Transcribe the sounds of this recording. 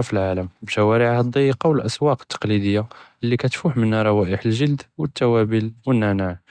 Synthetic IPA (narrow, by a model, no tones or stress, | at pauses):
filʕaləmbʃæwæɾiʕhɑd̪ˤːijəqɑwəlʔæswɑqə̥t̪ːɑ̥qlid̪əjːaʔəlːikæt̪fuħmənːæɾˤɑwæʔəħəlʒəld̪wət̪ːæwæbilwənːænaʕ